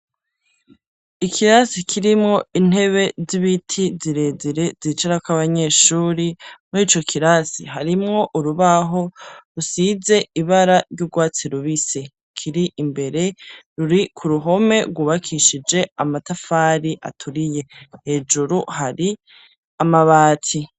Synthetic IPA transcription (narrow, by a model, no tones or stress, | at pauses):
ikʰiɾasikʰiɾimŋo̞in̥he̞βe̞ziβitʰiziɾe̞ːziɾe̞zit͡ʃaɾakʷwaβaɲe̞ːʃuːɾimiːt͡ʃo̞kʰiɾasiɦaɾimŋo̞ʔuɾuβaɦo̞ɾusize̞iβaɾaɾjɟuɡwaːt͡siɾuβise | kʰiɾiʔimbe̞ɾe̞ɾuɾikʰuɾuɦo̞me̞ɾɡwuːβakʰiʃid͡ʒe̞amatafaːɾiʔa̰tʰuɾije̞he̞d͡ʒuɾuhaɾi | amaβaːtʰi